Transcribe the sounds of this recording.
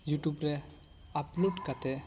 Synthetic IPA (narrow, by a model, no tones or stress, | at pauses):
juʈubɾɛ | apnuʈkat̪ɛ